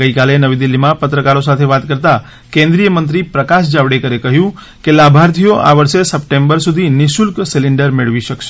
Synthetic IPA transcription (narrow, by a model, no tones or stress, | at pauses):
kəikalenəʋid̪ilːimãpət̪ɾəkaɾosat̪ʰeʋat̪kəɾt̪a | kẽnd̪ɾijəmənt̪ɾipɾəkas̬d͡ʒaʋɽekəɾekəɦjũ | kelabʱaɾt̪ʰijoʔa̰ʋəɾsesəpʈembəɾsud̪ʱinɪsulksilɪɳɖəɾmeɽʋiʃəkʃʰ